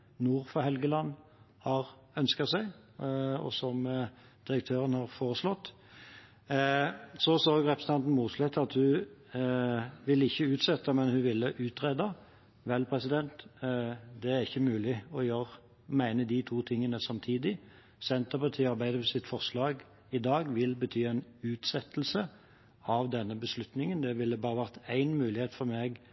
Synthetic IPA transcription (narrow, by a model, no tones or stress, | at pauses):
nuːɾfɔhɛlɡəlɑnː | hɑʁ | œnskɑsæɪ | ɔ̰sɔm | d̪̥ɪɾək̚t̪ʰøːɾənhɑʁfoːʁəʂlɔt̪ː | sɔsoːɡʁɛpɾəsəɑnt̪n̩muːt̪slɛt̪ːɑt̪hʉ | ʋɪlːəɪçːəʉːt̪sɛt̪ːɑmɛnhʉʋɪlːəʔʉːt̪ʁeːd̪ɑ | ʋɛlpʰʁɛsɪd̪ɛnt̪ | d̪ɛæʁɪçːəmʉːlɪɔɪjoːɾ | mæɪnəd̪ɪt̪ʰuːt̪ʰɪŋːənəsɑmt̪ʰiːd̪ɪ | sɛnt̪əʁpɑt̪ʰiːɑɾbæɪd̪əəsɪt̪fɔʁʂlɑːɡ | ɪd̪ɑːɡʋɪlbət̪ʰyːæɪnʉːt̪sɛt̪ːl̩sə | ɑʋd̪ɛnːəbəslʉt̪nɪŋənd̪ɛʋɪlːəbɑːɾəʋæʁt̪æɪnmʉːlɪheːt̪fɔɾmeːɡ